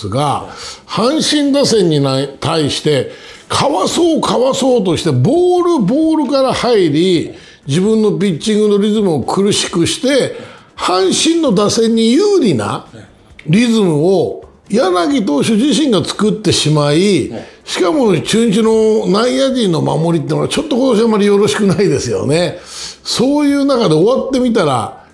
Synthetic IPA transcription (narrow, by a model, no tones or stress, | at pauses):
ɡa̰hãɰ̃ɕĩnd̪asẽ̞ɲ̟ːinat̪ʰaiɕi̥t̪e̞ | kʰaβaso̞ːkʰaβaso̞ːt̪o̞ɕi̥t̪e̞bo̞ːɾɯ̟bo̞ːɾɯ̟kaɾahaiɾʲi | d͡ʑibɯ̟̃nːo̞p̬ʲit͡ɕĩŋɡɯ̟no̞ɾʲizɨmɯ̟o̞kʰɯ̟ɾɯ̟ɕi̥kɯ̟ɕi̥t̪e̞ | hãɰ̃ɕĩnːo̞d̪asẽ̞ɲ̟ːijɯːɾʲina̰ | ɾʲizɨmɯ̟o̞ | janaɡʲit̪̬o̞ːɕo̞ʑiɕĩŋɡat͡sɨ̥kɯ̟t̪ːe̞ɕimaiɕi̥kamo̞t͡ɕɨːɲ̟it͡ɕino̞naijad͡ʑĩnːo̞ma̰mo̞ɾʲit̪̬ːeːnoat͡ɕo̞t̪ːoko̞t̪oɕ̬iamːaɾʲijo̞ɾo̞ɕi̥kɯnaid̪e̞sɨjo̞̰ne̞so̞ːjɯ̟ːnakad̪e̞oβat̪ːe̞mʲit̪̬aɾa̰